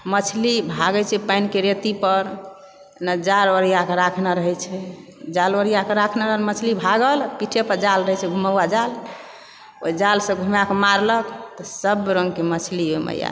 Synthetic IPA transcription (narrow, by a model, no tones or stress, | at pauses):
mət͡ʃʰlibʱaɡɛt͡ʃʰɛpajnkeɾet̪ipəɾ | nad͡ʒaɾoɾijakeɾakʰnaɾəɦɛt͡ʃʰɛd͡ʒaloɾijakeɾakʰnaɾəɦəlmət͡ʃʰlibʱaɡəlpiʈʰepəɾd͡ʒalɾəɦɛt͡ʃʰɛɡʱuməad͡ʒal | o̰jd͡ʒalsə̃ɡʱumakemaɾləkt̪ɔsəbɾəŋɡkemət͡ʃʰliɦomə̰ja̰